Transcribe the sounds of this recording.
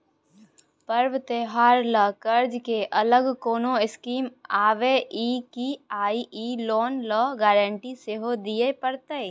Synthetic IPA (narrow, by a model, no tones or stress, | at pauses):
pəɾʋt̪eɦaːɾləkəɾd͡ʒkeʔɐləɡkoːnõɪskiːmaːʋeʔikiaːiʔiloːnləɡɛːɾə̃ɳʈiseɦod̪ijepəɾt̪e